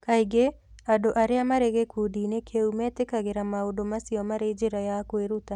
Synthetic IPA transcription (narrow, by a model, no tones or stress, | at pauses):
kaiɡeadoʔaɾɪamaɾeɣekʰudinekʰeumɛt̪ɪkaɣɪɾamaodomasiɔmaɾed͡ʒeɾajakoeɾut̪a